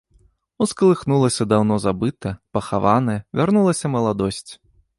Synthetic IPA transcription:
usklˠɨxnulˠɐsʲɐd̪awnɔzabɨt̪ɐpɐxavanɐjɛvʲarnulˠɐsʲɐmɐlˠad̪ɔsʲt͡sʲ

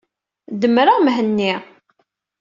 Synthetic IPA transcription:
d̪əmɾəʁmɦənːi

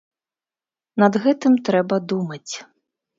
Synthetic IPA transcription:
nɐd̪ɣɛt̪ɨmt̪ɾɛbɐd̪umɐt͡sʲ

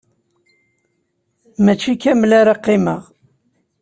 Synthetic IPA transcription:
mæt͡ʃːikːæmlæɾaqːɪməʁ

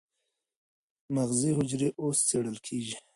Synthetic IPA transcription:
maɣziɦʊd͡ʒɾeʔost͡seɽəlkʰeʒi

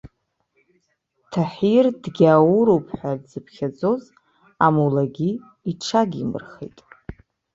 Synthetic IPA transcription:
tʰaħirdɡʲaːwuɾupʰʼħʷadzɨpʰχʲad͡zo̞z | amulaɡʲi | iʈ͡ʂʰaɡʲimɨ̰rχḛjtʼ

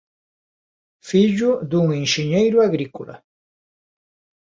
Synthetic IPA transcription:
fiʎʊðuŋenʃeɲejɾʊaɣɾiko̰la̰

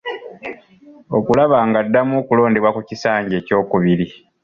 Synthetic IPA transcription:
o̞kulaβaːŋɡadːamukulo̞ːndewakucisaːɲɟe̞ːco̞ːkuβiɾi

